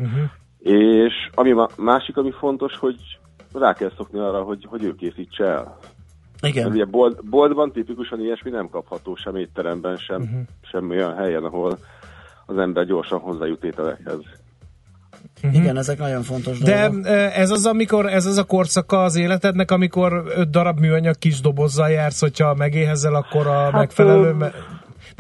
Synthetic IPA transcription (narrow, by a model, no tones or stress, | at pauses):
eːʃɒmiɒmaːʃikɒmifo̞n̪t̪o̞ʃho̞ɟ | raːkɛlso̞kniɒːrɒɦo̞ɟho̞ɟøːkeːsiːt͡ʃːɛɛ̰l | iɡmɛɾuɟɛbold̪bo̞ld̪bɒnt̪ipikuʃɒnejɛʃminɛmkɒphɒt̪oːʃɛmeːt̪ːɛɾɛmbɛnʃɛmʃɛmo̞jɒnɦɛjɛnɒɦo̞l | ɒzɛmbɛrɟo̞ːrʃɒnɦo̞zːaːjut̪ːeːt̪ɛlɛ̰khɛ̰z | iɡɛnɛzɛknɒɟo̞ɱfo̞nt̪o̞ʒdd̪ɛøɛzɒzɒmiko̞ɾɛzɒzɒko̞rsɒkɒːzeːlɛt̪ɛd̪nɛkɒmiko̞ɾød̪̚d̪ɒɾɒbmyːɒɲɒkːiʒd̪o̞bo̞zːɒljaːrsho̞cʰhɒmɛɡeːɦɛzɛlɒkːo̞ɾɒmmɛkfɛlɛløːm